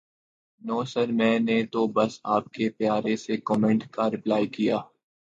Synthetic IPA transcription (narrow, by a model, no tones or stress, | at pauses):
nɔːsəɾmɛ̃ːnet̪obɐsaːp̚kepjaːɾesekɔːmɛ̃ɳʈkaɾɪplaːikijaː